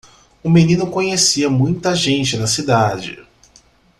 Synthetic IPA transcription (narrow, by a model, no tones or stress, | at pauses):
ũminĩnʊkõɲesiɐmũj̃t̪ɐʒẽnt͡ʃɪnɐsid̪ad͡ʒɪ̰